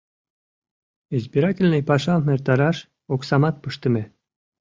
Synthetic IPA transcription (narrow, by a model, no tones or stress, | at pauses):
ezbʲiɾɑkʲilʲnejpɑʃɑlmert̪ɑɾɑʃ | oksɑmɑt̪̚pɯʃt̪ə̆mʲe